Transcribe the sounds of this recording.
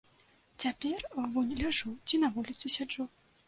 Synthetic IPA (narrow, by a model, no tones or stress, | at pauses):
t͡sʲapʲɛrvunʲlʲaʐut͡sʲinavulʲit̪sɨsʲad͡ʐɔ